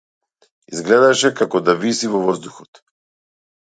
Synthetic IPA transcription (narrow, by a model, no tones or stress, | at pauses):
izɡlɛd̪aʃɛkakɔd̪avisivɔvɔzd̪uxɔt̪